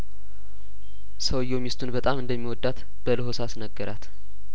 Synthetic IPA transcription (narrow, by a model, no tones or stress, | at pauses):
səwɨjːomɪst̪ʰunbət̪ʼamɨnd̪əmːiwɔd̪ːat̪ | b̥ələɦosasnəɡːəɾa̰t̪